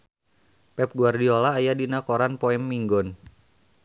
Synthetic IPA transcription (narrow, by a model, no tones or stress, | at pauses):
pɛp̚ɡuardiolaːjadinakoɾanpoɛmːiŋɡɔn